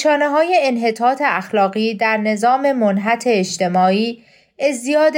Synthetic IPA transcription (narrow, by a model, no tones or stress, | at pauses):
ʃɒːneɦɒːje̞ːnɦe̞t̪ʰɒːt̪ʰe̞æxlɒːɣiːd̪æɾne̞zɒːme̞monɦæt̪ʰe̞ːʃt̪ʰe̞mɒːiː | ezijɒːd̪